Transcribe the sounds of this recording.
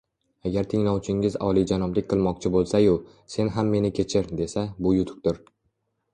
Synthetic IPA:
aɡʲaɾt̪ʰɪŋlˠɒwt͡ʃʰɪŋɪzɒ̰lˠid͡ʒanɒblɪkʲqʰɨlˠmɒq̚t͡ʃʰɪbolˠsajʊ | se̞nɦamːe̞nɪkʲʰe̞t͡ʃʰɪɾd̪e̞sabʊjʊt̪ʰʊ̥k̚ʲt̪ʊɾ

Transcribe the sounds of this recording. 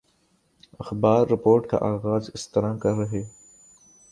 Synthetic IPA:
ɐxbɑːɾːɪpoːɾʈk̪a̰ʔaːɣaːzɪst̪ɪɾaːmkaɾaɦe

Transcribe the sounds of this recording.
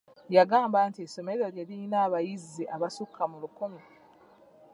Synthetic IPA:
jaɡaːmbantieso̞me̞ɾoɾjelinaːβajizːiʔaβasukʰːamulukomji

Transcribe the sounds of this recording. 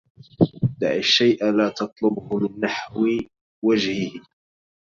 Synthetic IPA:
d̪a̰ʕɪʃːajʔalaːt̪ɑt̪ˤlʊbhʊlɪnːaħwɪ | wad͡ʒhɪhɪ

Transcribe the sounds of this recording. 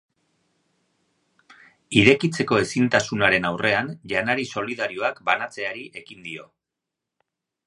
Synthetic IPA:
iɾe̞kit͡se̞ko̞e̞sint̪asunaɾe̞nawrʔe̞anʎanaɾiso̞liðaɾio̞akbanat͡se̞aɾiʔe̞kind̪io̞̰

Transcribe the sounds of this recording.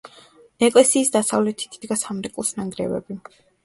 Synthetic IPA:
ɛkʼlɛsiːsd̪asavlɛt̪ʰi̥t̪ʰid̪ɡasamɾɛkʼlˠsnaŋɡɾɛ̰vɛ̰bi

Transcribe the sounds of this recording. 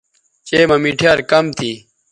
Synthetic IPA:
t͡ɕeːmɐmiʈʰjaːɾkɐmt̪ʰiː

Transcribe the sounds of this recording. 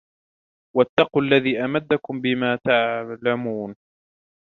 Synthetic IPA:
wat̪ːɑquʔalːaðiːʔamad̪ːakʊmbɪmaːt̪aʕlamuːn

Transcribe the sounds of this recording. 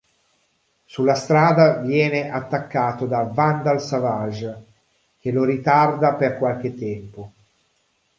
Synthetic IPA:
sulːast̪ɾaːd̪avjɛːneʔat̪ːakːaːt̪od̪avand̪alsavaʒ | k̟eloɾit̪ard̪aperkwalk̟et̪ːɛmpo

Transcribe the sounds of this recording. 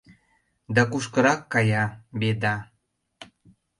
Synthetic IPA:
d̪ɑkuʃkəɾɑkːɑjɑbed̪ɑ

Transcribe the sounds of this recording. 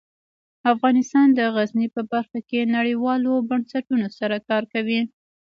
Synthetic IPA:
afɣɑnɪst̪ɑnd̪əɣaznipəbaɾxakenaɽiwɑlobansaʈunosaɾakɑɾkawi

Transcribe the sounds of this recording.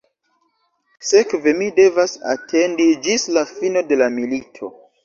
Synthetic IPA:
se̞kve̞mide̞vasa̰tʰe̞ndid͡ʒislafino̞de̞lamilitʰo̞̰

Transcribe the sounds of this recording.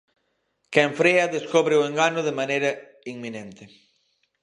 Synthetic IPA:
kɛɱfɾeɐðeskoβɾeoeŋɡanoðemanejɾɐ | iŋmĩnẽnt̪e

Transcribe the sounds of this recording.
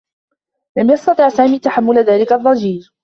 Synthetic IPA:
lamjɑst̪ɑt̪ˤɨʕsaːmiːt̪aħamːʊlaðaːlɪkaðˤːɑd͡ʒiːɾ

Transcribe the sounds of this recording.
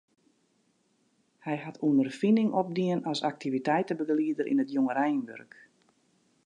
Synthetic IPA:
hɛjhatʰuənərfinɪŋɔp̚diənɔsak̚tivitɛjtəbəɡliədəɾʔḭnətjoŋəɾɛjnʋø̰rk

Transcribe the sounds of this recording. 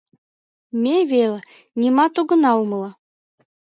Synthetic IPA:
mʲeβel | nʲimɑt̪uɡɤ̆nɑumlɑ

